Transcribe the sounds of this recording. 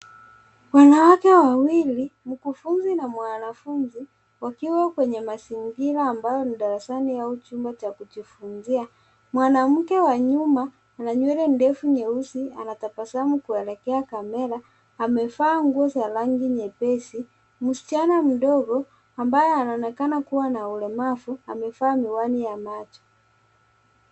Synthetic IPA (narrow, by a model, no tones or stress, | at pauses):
wanawakɛwawilim̩kufunzinamwanafunzi | wakiwakwɛɲɛmasiŋɡiɾaːmbajɔniɗaɾasaniaut͡ʃumbat͡ʃakud͡ʒifunzia | mwanam̩kɛwaɲumaː | naɲwɛɾɛndɛfuɲɛusia̰natapasamukuɛlɛkɛakamɛlaː | mɛfaːŋɡuɔsalaŋɡiɲɛpɛsi | musi̥t͡ʃanam̩dɔɡɔ | ambajɛanaɔnɛkanakuwanaulɛmafuamɛfaːmiwanijamat͡ʃɔ̥